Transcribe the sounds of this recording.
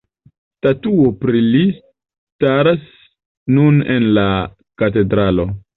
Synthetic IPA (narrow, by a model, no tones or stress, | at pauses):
tatuopɾilis | taɾas | nunḛnla | kat̬e̞dɾalo̞